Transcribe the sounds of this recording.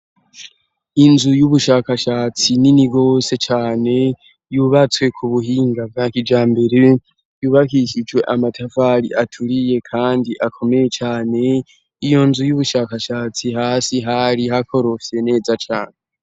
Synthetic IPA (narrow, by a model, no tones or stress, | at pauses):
inzujuβuʃaːkaʃaːt͡sininiɡo̞se̞t͡ʃaːne̞ | juːβat͡swe̞kʰuβuɦiːŋɡab̚ɡakid͡ʒaːmbe̞ɾe | juːβakiʃid͡ʒwe̞ʔamatʰavaɾḭʔatʰuɾije̞kʰaːndiʔakʰo̞me̞je̞t͡ʃaːne̞ | ijo̞nzujuβuʃaːkaʃaːt͡sihaːsiɦaɾiɦako̞ɾo̞fse̞ne̞ːzat͡ʃa̰ːne